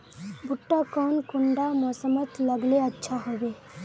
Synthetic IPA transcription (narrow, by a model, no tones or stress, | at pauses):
bʱʊʈːakɔːnkʊɳɖamɔsəmət̪ləɡleətːʃʰaɦobe